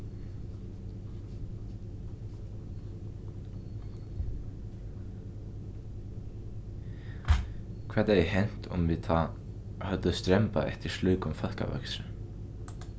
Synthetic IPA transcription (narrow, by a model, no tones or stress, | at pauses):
kʰvɛːt̪ɛjɛɦejn̥t̪ʊ̰mvɪðθa | hœt̪ʏðst̪ɾɛmpa̰ʔɛ̰ht̪ɪɾ̥slœːɥkʏmfœl̥ka̰vɛ̰ksɾʏ